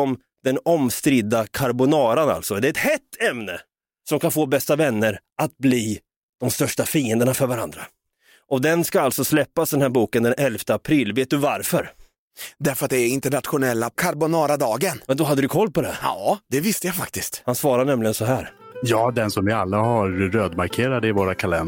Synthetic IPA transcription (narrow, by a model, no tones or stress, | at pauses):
ɔm | d̪̥ɛnɔmst̪ɾɪd̪ːakʰaɾbʊnɑːɾana̰lt̪sɔd̪ɛɾɛt̪hɛt̪ʰːɛmnə | sɔmkʰanfoːbɛst̪avɛnːəɾat̪̚bliː | d̪̥ɔmst̪œʂʈafiːənd̪əɳafœɾvaɾa̰nd̪ɾa | ʔɔd̪ɛnskaalt̪sɔslɛpːasd̪ɛnhæːɾbuːkənd̪ɛnʔɛlft̪əapʰɾɪlːveːt̪̚d̪ɵvaɾfœɾ | d̪æɾfœɾat̪̚d̪ɛæɾɪnt̪əɳat̪ɧʊnɛlːakʰaɾbʊnɑːɾad̪ɑːɡənmɛnd̪ɔɦad̪ːəd̪ɵkʰɔlːpɔd̪ɛ̰jɑːd̪̥ɛvɪst̪əjafa̰k̚t̪ɪst̪hansvɑːɾaɳɛmlɪɡənsɔɦæːɾjɑːd̪ɛnsɔmvɪalːahaɾːøːd̪maɾkʰeːɾad̪əɪvoːɾakʰalɛn